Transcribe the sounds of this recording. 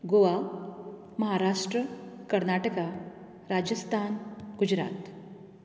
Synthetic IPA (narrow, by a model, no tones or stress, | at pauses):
ɡoʋa | məɦaɾaʂʈɾəkəɾnaʈəka | ɾad͡ʑəst̪ʰanɡud͡ʑɾa̰ːt̪